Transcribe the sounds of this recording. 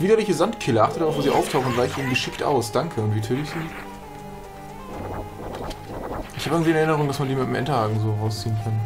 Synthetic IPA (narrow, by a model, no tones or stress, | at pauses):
viːdɐlɪçəzantkʰɪləʔaχtədaʁaʊfvoːziːʔa̰ʊftʰaʊxn̩ʊnv̥aɪçəiːnənɡəʃɪktʔa̰ʊsd̥aŋkʰəʊntv̥iːtʰøːtɪçz̥iː | ʔɪçhabəɪɡŋ̩ntviːɪnɛɐɪnəʁʊŋd̥asmandiːmɪtmʔɛntɐaːɡŋ̩zoːʁaʊst͡siːənkʰan